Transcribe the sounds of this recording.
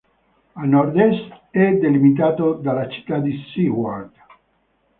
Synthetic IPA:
anɔrd̪ɛst̪ɛd̪elimit̪aːt̪od̪alat͡ʃi̥t̪ːad̪isihwad̪

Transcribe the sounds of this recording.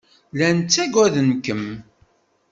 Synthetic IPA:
lænt͡sːæɡæðənkəm

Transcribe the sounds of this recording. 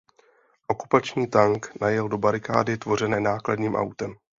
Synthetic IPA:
ʔo̞ku̥pat͡ʃɲiːt̪aŋknajɛldo̞baɾɪka̰ːdɪt̪vo̞r̝ɛnɛːnaːkladɲiːmʔa̰wt̪ɛm

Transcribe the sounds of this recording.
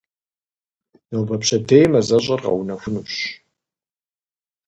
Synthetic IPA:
nowbɐpɕʰɐdʰejmɐzɐɕʼɐrʁɐ̰wnɐxʷʊnuɕ

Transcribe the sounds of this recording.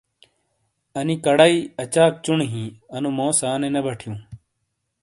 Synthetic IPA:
ɐnikɐɽaiːɐt͡ɕaːk̚t͡ɕuɳɦĩːɐnumõːsaːnenɐbʱɐʈʰijũː

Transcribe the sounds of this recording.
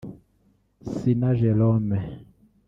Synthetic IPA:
sinaʒɛlɔmɛ

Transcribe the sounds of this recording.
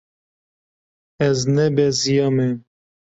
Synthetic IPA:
ɛznɛbɛzijɑmɛ

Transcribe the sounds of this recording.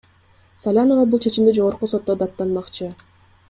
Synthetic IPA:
salʲano̞vɑbulˠt͡ʃʰe̞t͡ʃimd̪id͡ʒo̞ʁoɾquso̞t̪ːo̞d̪ɑt̪ːɑnmɑqt͡ʃɯ

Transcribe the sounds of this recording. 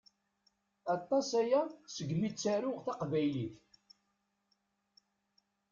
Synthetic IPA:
ɑt̪ˤːɑsæjæsəɡmit͡sːæɾʊʁθɑqvæjliθ

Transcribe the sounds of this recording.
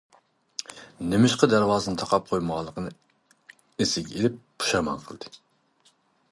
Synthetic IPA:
nemɪʃqɑd̪æɾwɑːzɨnɨŋt̪ʰɑqʰɑp̚qʰojməʁɑlˠːəqʰənɨ | esɪkʲelɪp̚b̥u̥ʃɑmɑ̰nqʰəlˠd̪ɨ

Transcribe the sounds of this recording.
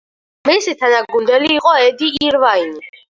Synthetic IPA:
misit̪ʰanaɡund̪ɛliːqʼɔɛd̪iːɾvaini

